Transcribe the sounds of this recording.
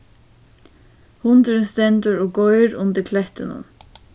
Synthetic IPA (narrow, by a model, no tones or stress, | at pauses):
hʊnd̪ɪɾɪnst̪ɛnt̪ʊɹɔɡɔʏɾʊnd̪ɪkʰlɛht̪ɪnʊ̰n